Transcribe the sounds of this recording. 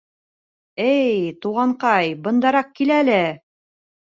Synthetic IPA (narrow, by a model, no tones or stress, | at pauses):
ɘjt̪uʁɑɴqɑjbɤ̆nd̪ɑɾɑq̚kilælɘ